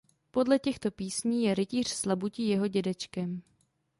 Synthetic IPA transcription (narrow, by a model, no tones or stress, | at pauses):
po̞dlɛcɛxt̪o̞piːsɲiːjɛɾɪciːr̝̥slabucijɛɦo̞ɟɛdɛt͡ʃkɛm